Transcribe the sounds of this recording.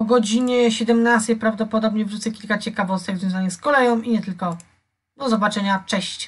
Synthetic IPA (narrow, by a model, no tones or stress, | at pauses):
ɔɡɔd͡ʑiɲɛɕɛd̪ɛmnast̪ɛjpɾavd̪ɔpɔd̪ɔbɲɛvʐut̪sɛkʲilkat͡ɕɛkavɔst̪ɘɣzvʲjɔ̃w̃zaɲɛskɔlɛjɔ̃w̃iɲɛt̪ɘlkɔ | d̪ɔzɔbat͡ʂɛɲat͡ʂɛɕt͡ɕ